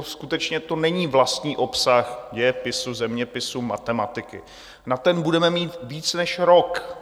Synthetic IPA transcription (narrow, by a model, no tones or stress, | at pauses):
skut̪ɛt͡ʃɲɛt̪o̞nɛɲiːvlast̪ɲiːʔo̞psaxjɛpɪsuzɛmɲɛpɪsuma̰t̪ɛmat̪ɪkɪ̰ | nat̪ɛnbudɛmɛmiːt̪viːt͡snɛʃɾok